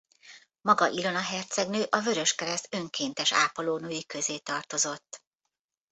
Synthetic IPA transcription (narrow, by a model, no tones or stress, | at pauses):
mɒɡɒʔilonɒɦɛrt̪sɛɡnøːʔɒvø̞ɾø̞ʃkɛɾɛst̪ø̞ŋkeːnt̪ɛʃa̰ːpoloːnøːjikø̞zeːt̪ɒrt̪o̞zo̞t̪ː